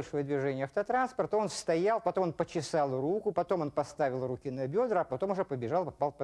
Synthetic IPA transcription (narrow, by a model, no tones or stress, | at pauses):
ɐlʲʂo̞jəd̪vʲɪʐɛnʲɪjəɐft̪ət̪ɾanspərt̪əo̞nst̪ɐjalˠpɐt̪o̞monpət͡ɕɪsalˠrukʊpɐt̪o̞mo̞npɐst̪avʲɪlˠrukʲinɐbʲo̞d̪ɾəɐpɐt̪o̞mʊʐɛpəbʲɪʐalˠpɐpalˠpɐ